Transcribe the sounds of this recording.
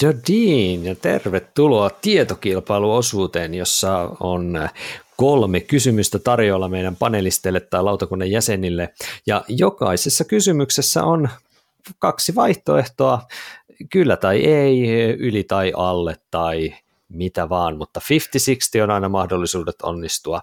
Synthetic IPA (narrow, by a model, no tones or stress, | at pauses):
d̥ødiːnjɑt̪ḛrʋet̪ːuloɑt̪iet̪okilpɑiluosuːt̪eːnjosːɑonkolmekkysymyst̪æt̪ɑrjo̞ːlːɑmeiɾæmpɑnelist̪elːet̪ːɑjlɑwt̪ɑkunːɑjjæsenilːejɑjo̞kɑ̰isesːɑkysymyksesːæ̰ʔon | kɑksiʋɑiht̪oe̞ht̪oɑ | kylːæt̪ɑiʔeiylit̪ɑiʔɑlːet̪ːɑi | mit̪æʋɑːnmut̪ːɑfift̪isikst̪ionɑinɑmɑhdolːisuːdet̪o̰nːist̪uɑ